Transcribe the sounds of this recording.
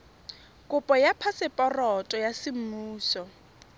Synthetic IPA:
kʼʊpʼɔjapʰasɪpʼɔrɔtʼɔjasɪm̩muːsɔ

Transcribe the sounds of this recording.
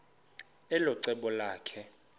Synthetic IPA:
ɛlɔǀɛɓɔlaːkʰɛ

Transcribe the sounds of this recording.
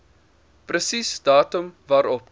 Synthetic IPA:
prəsisd̥ɑːtəmvɑːɾɔp

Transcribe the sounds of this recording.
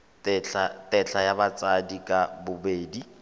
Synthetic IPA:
tɛɬatʼɛɬajabat͡sʼadikʼabʊbeːdi

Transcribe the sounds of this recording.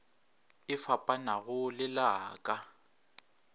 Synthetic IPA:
ɪfapʼanaɣʊlɪlaːkʼa

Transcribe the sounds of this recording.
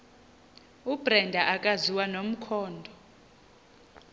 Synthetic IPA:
ub̥rɛndʱaʔakʼaziwanom̩kʰɔːndʱɔ

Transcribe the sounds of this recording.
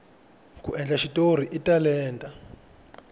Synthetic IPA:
kuʔɛnd͡ɮaʃitoɾ̤iʔitalɛːntʼa

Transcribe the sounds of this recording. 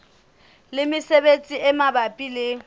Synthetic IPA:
lɪmɪsebet͡sʼiʔɛmabapʼilɪ

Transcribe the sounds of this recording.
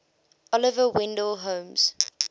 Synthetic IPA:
ɔlɪvəwɪ̃ndəlɦõːmz̥

